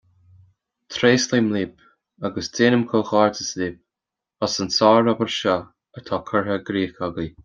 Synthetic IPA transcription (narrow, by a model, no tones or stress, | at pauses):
t̪ʰɾeːsliːmliːp | aɡəsdeːnəmkʰɔlxɑːɹdəsliːp̚ | ɔsənsɑːɾɔpəɹʃɔ | ət̪ʰaːkʰəɹɦəɡɾiːxaɡi